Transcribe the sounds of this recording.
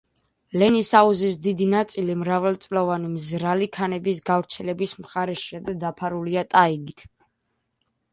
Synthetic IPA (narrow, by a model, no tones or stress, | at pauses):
lɛnisauzisd̪id̪inat̪sʼilimɾavɛlt̪sʼlɔvanimzɾalikʰanɛbisɡavɾt̪sʰɛlɛbismχaɾɛʃiad̪ad̪apʰaɾuliat̪ʼaiɡit̪ʰ